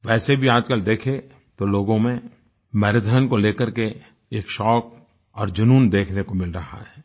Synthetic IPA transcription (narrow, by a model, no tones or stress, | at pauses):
ʋɛːsebʱiaːd͡ʒkəld̪eːkʰe | t̪oloːɡõmẽ | mɛːɾəd̪ʱəɦənkoleːkəɾke | eːkʃɔːk̚ | ɔːɾd͡ʒɐnuːnd̪eːkʰnekomɪlɾɐɦa̰ɦɛː